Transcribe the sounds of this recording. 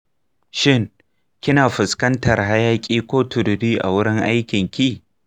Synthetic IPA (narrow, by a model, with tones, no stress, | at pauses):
ʃɪ˦˨ŋ | kʲɪ˦naː˨ɸʊ˨skɐ˦ntɐ˨rɦa˦jaː˦kʲʼiː˦kʷoː˦tʰʊ˨dʊ˨ɽiː˦ʔa̰˨wʊ˦ɽɪ˦ŋʔa˦jkʲɪ˨ŋkʲiː˦